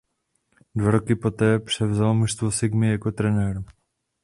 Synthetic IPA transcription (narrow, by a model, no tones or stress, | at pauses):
dvaɾokɪpo̞t̪ɛːpr̝̥ɛvzalomuʃst̪vosɪɡmɪjakot̪ɾɛnɛːɾ